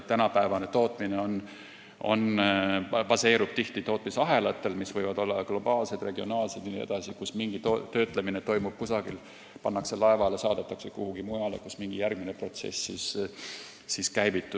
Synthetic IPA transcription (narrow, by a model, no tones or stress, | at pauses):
t̪ːænɑpæevɑne̞t̪o̞ːt̪ˑmine̞o̞n | o̞̰n | pɑse̞ːɾub̥t̪iht̪it̪o̞ːt̪ˑmisɑɦe̞lɑt̪ːˑe̞lmisvɤjvɑd̪o̞lːɑɡ̥lo̞bɑːlse̞d̪̥re̞ɡio̞nɑːlsed̪inie̞̰d̪̥ɑsikusmiŋɡ̥it̪ot̪ø̞ːt̪ˑlemine̞t̪o̞jmub̥̚kusɑɡ̥il | pɑnːɑkse̞lɑevɑle̞sɑːd̪̥et̪ːˑɑksekuhuɡ̥imujɑle̞̰kusmiŋɡ̥ijærɡ̥minepro̞t̪sḛsːis | siskæjvit̪ːˑu